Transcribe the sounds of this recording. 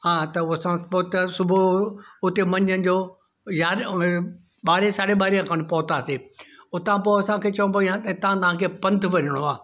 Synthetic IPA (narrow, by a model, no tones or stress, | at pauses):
ɦãːt̪ɐɐsãpːt̪sʊbʱoʊt̪emɐ̃ɲd͡ʑənɪ̆d͡ʑoː | jaːɾ | ɓaːɾesaːɽeɓaːɾijãkʰɐɽ̃pɐːt̪aːseʊt̪ãpoɐsãkʰeːt͡ɕɐʋũpɐĩãt̪ɐt̪ɐʋ̤ãt̪ɐʋ̤ãkʰeːpɐ̃nt̪ʋɐɲɪɽ̃oaː